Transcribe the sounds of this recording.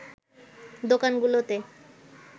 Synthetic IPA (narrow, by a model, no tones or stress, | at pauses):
d̪okanɡulot̪e